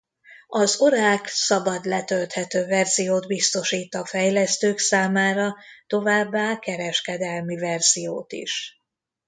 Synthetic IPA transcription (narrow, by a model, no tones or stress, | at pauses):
ɒzo̞ɾaːksɒbɒd̪lɛt̪ølt̪hɛt̪øːvɛrzijoːd̪bist̪o̞ʃiːt̪ɒfɛjlɛst̪øːksaːmaːɾɒt̪o̞vaːbːaːkɛɾɛʃkɛd̪ɛlmivɛrz̥ijo̰ːt̪ḭʃ